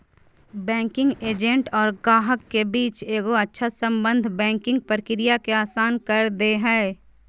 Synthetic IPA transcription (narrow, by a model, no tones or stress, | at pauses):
bɛ̃ːŋkɪ̃ŋɡeːd͡ʒə̃ɳʈɔːɾɡaːɦəkːebiːt͡ʃeːɡoɐtːʃʰasə̃mbə̃nd̪ʱbɛ̃ːŋkɪ̃ŋɡ̚pɾəkɪɾijakeaːsaːnkɐɾd̪eɦɛː